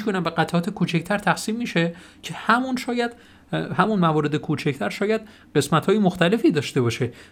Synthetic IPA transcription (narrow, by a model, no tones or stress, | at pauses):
konæmbeɣæt̪ʰɒːt̪ʰekʰuːt͡ʃʰect̪ʰæɾt̪ʰæxsiːmːiːʃe | cʰe̞hæmunʃɒːjæd̪̥ | hæmunmævɒːɾe̞d̪ekʰuːt͡ʃʰecʰt̪ʰæɾʃɒːjæd̪̥̚ | ɢe̞smæt̪hɒːjemoxt̪æle̞fiːd̪ɒːʃt̪e̞bɒʃe